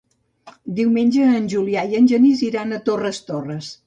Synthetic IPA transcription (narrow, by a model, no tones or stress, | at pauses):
d̪iwmenʲd͡ʒəːnʲʒuliajənʲʒəniziɾanət̪orəst̪orəs